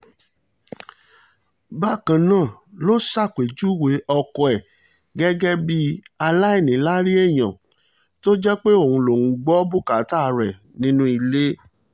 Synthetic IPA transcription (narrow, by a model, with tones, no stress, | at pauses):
ba˦˨kã˧˨nãː˦˨lo˦sa˦˨kʷe˨d͡ʒu˦˨we˨˦ʔɔ˧kɔ˧ɛ˨ | ɡɛ˦ɡɛ˦bi˦a˧la˦e˦˨nĩ˨˦la˦ɾi˦ɛ˦˨j̃ã˨ | to˦d͡ʒɛ˦k͡pe˦o˦˨ũ˧lo˨hũ˨˧ɡ͡bɔ˦bu˦ka˨˦ta˦˨ɾɛ˨ | nĩ˦nũ˦i˧le˦